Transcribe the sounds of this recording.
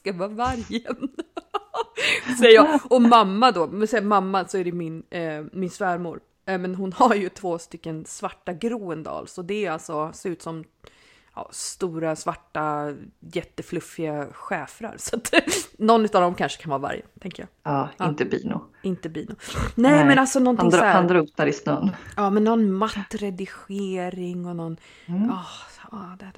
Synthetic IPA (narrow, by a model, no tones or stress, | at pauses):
skavɑːvaɾjən | sɛjəjɑɔmamːad̪ɔmɛsɛmamːasɔæɖɛmɪnmɪnsfæːɾmṵːɾ | mɛnɦʊnhaɾjɵt̪ʰvoːst̪ʏkːənsvaʈːaɡɾuːənd̪ɑ̰ːlsɔd̪ɛæalt̪sɔseːɾʉːt̪sɔm | ɑ̰ːst̪uːɾasvaʈːajɛt̪ːəflɵfːɪaɧɛːfɾa̰ɾsɔat̪nɔnːʉ̟ːt̪avd̪ɔmkʰanʂə̥kʰanvɑːva̰ɾjə̰t̪ʰɛŋkəjɑ̰ːɑːɪnt̪əbḭːnʊ̰ | ɪnt̪əbiːnʊnɛːmɛnalsɔnɔnt̪shand̪ɾap̚naɾɪsnœːnɑːmɛnːɔnmat̪ːɾɛd̪ɪɧeːɾɪŋːɔnɔn | ɑɑːd̪ɛ